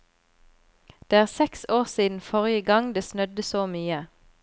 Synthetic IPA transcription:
d̪̥eːæːʁsɛksoːʁsiːd̪n̩fɔʁɪəɡɑŋd̪eːsnœd̪əsoːmyːə

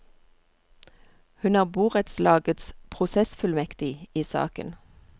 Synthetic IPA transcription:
hʉnɑːʁbuːʁət̪slɑːɡət̪spʰʁʊsɛsfʉlmɛkt̪ɪiːsɑ̰ːkə̰n

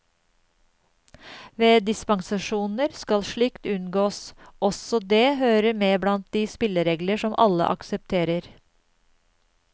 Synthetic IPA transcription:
ʋeːd̪ɪspɑŋsɑʃuːnəɾskɑlʃɭikt̪ʉnɡoːsʔɔsɔd̪eːhøːɾəmeːblɑnt̪̚d̪iːspɪləɾeːɡləʃɔmʔɑlə̰ʔɑ̰ksəp̚t̪ʰeːɾəɾ

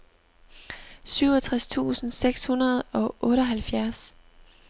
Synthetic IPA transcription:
syʊɒt͡sʰʁast͡sʰṵːsn̩seɡ̥shunɐð̞ˠɒ̽ʔɔ̽ːɾəɦælfjæɐs

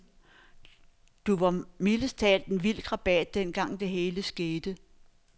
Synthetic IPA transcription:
d̥uʋɑ̈miləst͡sʰɛ̰ːld̥en̩ʋil̰ɡ̥ʁɑ̈b̥ɛd̥̚ːenɡ̥ɑ̈ŋ̰d̥e̝ɦe̝ːləsɡ̥e̝ːd̥ə

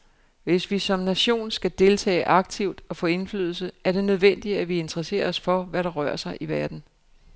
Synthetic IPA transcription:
ʋe̝sʋisɒ̽mnæɕo̝̰ːnsɡ̥æd̥e̝lt͡sʰɛ̰ːɪʔɑ̈ɡ̥̚t͡sʰiʊd̥ɒ̽fɔ̰̽ːe̝nfly̰ːðˠl̩səæɐɾ̥e̝nøð̞ˠʋen̰d̥iæʋie̝nd̥ʁɐse̝̰ːɐːsfɒ̽ʋæɾɑ̈ʁɶ̰ɐ̰sɑ̈ɪʔiʋæɐd̥n̩

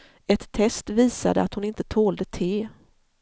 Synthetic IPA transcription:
ɛt̪ʰːɛst̪viːsa̰d̪əat̪hʊnɪnt̪ət̪ʰoːld̪ət̪ʰeː

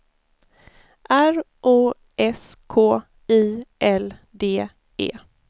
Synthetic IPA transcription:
ʔæɾ | ʔoː | ʔɛskʰoː | iːʔɛld̪eː | ḛː

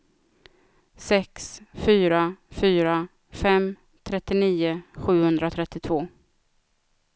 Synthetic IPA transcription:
sɛksfyːɾafyːɾa | fɛm | t̪ʰɾɛt̪ːɪniːʊɧʉ̟ːhɵnd̪ɾat̪ʰɾɛt̪ːɪt̪ʰvoː

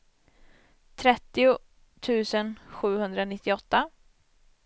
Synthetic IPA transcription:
t̪ʰɾɛt̪ːɪʊ | t̪ʰʉ̟ːsənɧʉ̟ːhɵnd̪ɾanɪt̪ːɪɔt̪ːa

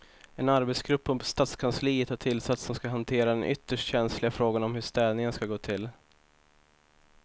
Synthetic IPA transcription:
ɛnaɾbɛt̪sɡɾɵpːɵmpst̪aːt̪skʰansliːət̪haʈʰɪlːsat̪sɔmskaɦant̪ʰeːɾad̪ɛnʔʏ̰t̪ːəʂʈɕɛnslɪɡafɾoːɡanɔmɦɵʂt̪ɛːd̪nɪŋənskaɡoːt̪ʰɪl

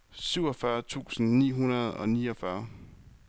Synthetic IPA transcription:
syʊɒfɶɐt͡sʰṵːsn̩nḭːɦunɐðˠɒ̽niːɒfɶɐ

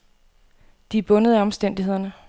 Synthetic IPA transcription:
d̥ib̥ɔ̽nəð̞̩ˠæɒ̽msd̥en̰d̥ihe̝ð̰ˠɐnə

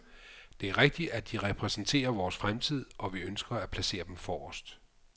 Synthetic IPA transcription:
d̥e̝æɐʁeɡ̥̚d̥iæd̥iʁɛpʰʁɛsn̩t͡sʰe̝̰ːɐʋɒːsfʁamt͡sʰið̞̰ˠʔɒ̽ʋiønsɡ̥ɐæpʰlæse̝̰ːɐd̥emfɒːɒsd̥

